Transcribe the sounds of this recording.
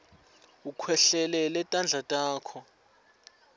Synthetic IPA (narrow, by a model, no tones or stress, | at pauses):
ukʰwɛɬɛlɛlɛtʼand͡ɮʱatʼaːkʰɔ